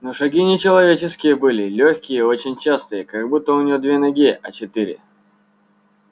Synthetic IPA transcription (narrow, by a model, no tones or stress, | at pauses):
noʂɐɡʲinʲɪt͡ɕɪlˠɐvʲet͡ɕɪskʲɪjəbɨlʲɪlʲoçʲkʲɪjəo̞t͡ɕɪnʲt͡ɕast̪ɨjəkɐɡbut̪ːəʊnʲɪjod̪vʲenɐɡʲiɐt͡ɕɪt̪iɾʲɪ̰